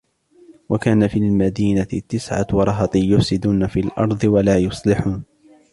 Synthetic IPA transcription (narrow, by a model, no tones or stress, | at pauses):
wakaːnafiːlmad̪iːnat̪ːɪsʕa̰wɑɾˤɑɦɑt̪ˤɨjʊfsɪd̪uːnafiːlʔɑ̰ɾˤd̪ˤɨwalaːjʊsˤlɪħuːn